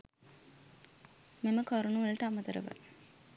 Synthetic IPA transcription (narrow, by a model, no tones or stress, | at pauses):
meməkoɾunuʋələʈəamət̪əɾə̰ʋə̰